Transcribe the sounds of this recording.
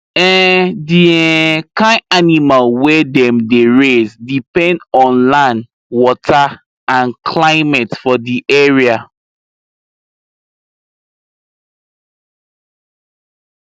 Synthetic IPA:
ɛdiɛkãanimalwɛdɛ̃mdeɹezdipɛ̃ndɔ̃nlãn | wɔtʰa | ãnkʰlaɪmɛtfɔdiʔɛɹia

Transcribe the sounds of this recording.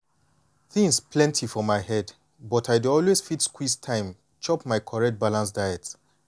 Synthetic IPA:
θĩŋspʰlɛ̃ntʰifɔmaɪhɛd | bɔtaɪduɔlwezfitskwistʰãɪ̃m | t͡ʃɔpmaɪkʰɔɹɛk̚t̚balãns̬daɪjɛt

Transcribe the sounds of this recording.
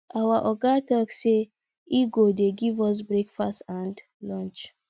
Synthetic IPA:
ʔawaʔɔɡatɔkse | iɡodeɡivɔs̬bɾekfastãnd | lɔ̃nt͡ʃ

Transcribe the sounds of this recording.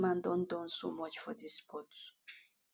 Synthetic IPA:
mãnd̪ɔ̃nd̪õnsomɔt͡ʃfɔd̪ispɔts

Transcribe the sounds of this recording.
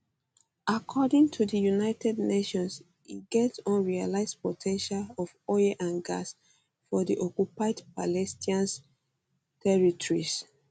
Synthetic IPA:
ʔakʰɔdĩŋtʰudəjunaɪtɛdneʃɔ̃ns | iɡɛtsɔ̃nɹialaɪspɔtʰɛ̃nʃalɔfɔjaʔãnɡa̰s | fɔdiʔɔkupaɪdpalɛstiãn | tʰɛɹitɔɹis

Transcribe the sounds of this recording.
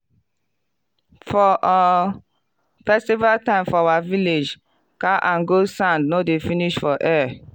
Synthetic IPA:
fɔʔa | fɛstivaltãɪ̃mfɔawaviled͡ʒ | kaʔãnɡosãndnodefiniʃfɔʔɛ

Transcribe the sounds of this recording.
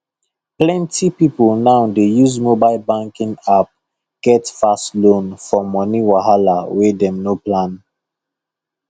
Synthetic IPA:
plɛ̃ntipipolnaʊdejuzmobaɪlbãŋkĩŋap̚ | ɡ̥ɛtfastlõnfɔmɔniwaɦalawɛdɛ̃mnoplãn

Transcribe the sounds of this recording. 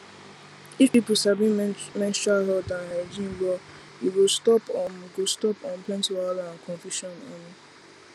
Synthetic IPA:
ifipusabĩmɛ̃nstaɦɔdaad͡ʒĩnbɔ | iɡostɔpɔ̃mɡostɔpɔ̃nplɛ̃ntiwalaãkʰɔ̃nfjuʃɔneni

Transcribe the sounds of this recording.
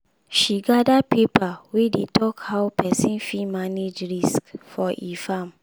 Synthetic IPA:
ʃiɡadapepawedetʰɔkhaʊpʰɛsĩnfimaned͡ʒɹiskfɔʔifãm

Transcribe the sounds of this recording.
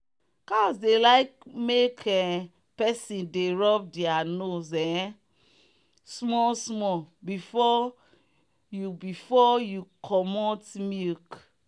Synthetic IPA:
kasdelaɪkmekʰɛ | pɛsĩndeɹɔp̚dianozɛ̃ | smɔsmɔbifɔ | jubifɔjukʰɔmɔtmik

